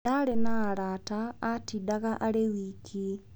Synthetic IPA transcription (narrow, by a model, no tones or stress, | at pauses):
aɾenaːɾaːtaːtidaɣaʔaɾewikʰi